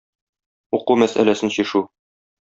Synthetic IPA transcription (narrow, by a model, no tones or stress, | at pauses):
uqumæsæ̰læsɘnɕiʃu